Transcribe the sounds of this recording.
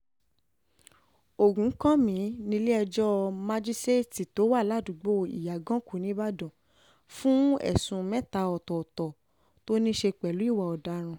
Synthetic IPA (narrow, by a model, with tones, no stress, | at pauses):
o˨ɡũ˨˦kɔ̃˦mĩ˨˦nĩ˧le˦ɛ˧d͡ʒɔ˦ma˧d͡ʒi˦ste˦ti˨to˨˦wa˦˨la˨˦˨dũ˨ɡ͡bo˦ḭ˨ja˨ɡɔ̃˦ku˨˦nĩ˦ba˦dɔ̃˨ | fũ˦ɛ̰˨sũ˧mɛ̃˦ta˧ɔ˨tɔ˨ɔ˨tɔ˨ | to˦nĩ˦ʃe˧k͡pɛ˨lu˨˦i˦˨wa˨ɔ˨da˨˦ɾ̃ũ˧